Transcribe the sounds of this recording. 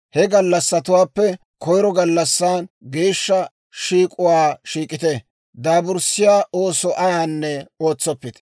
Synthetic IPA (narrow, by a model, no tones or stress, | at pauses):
hɛɡɐlːɐsːɐt̪ʊwaːpːɛ | kɔjɾɔɡɐlːɐsːaːnɡe̞ːʃːɐ | ʃiːkʼʊwaːʃiːkʼɪt̪ɛ | d̪aːbʊɾsɪjaːʔoːsɔʔɐjaːnːɛo̞ːt͡sːɔpːɪt̪ɛ